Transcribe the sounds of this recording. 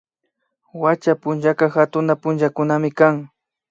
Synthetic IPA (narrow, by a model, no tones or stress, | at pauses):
wat͡ʃapʊnʒakaxat̪ʊnapʊnʒakʊnamɪkaŋ